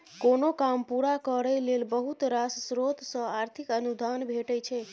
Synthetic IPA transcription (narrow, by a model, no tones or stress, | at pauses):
konokampuɾakəɾɛjlelbəɦut̪ɾassɾot̪sə̃aɾt̪ʰikənud̪ʱanbʱeʈəjt͡ʃʰɛ